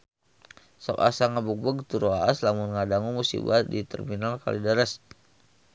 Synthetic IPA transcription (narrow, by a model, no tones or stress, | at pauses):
sɔ̰ka̰saŋabuk̚bəɡt̪uɾoaaslamʊnŋadaŋumusḭbadit̪ɛ̰rminalka̰lidaɾɛs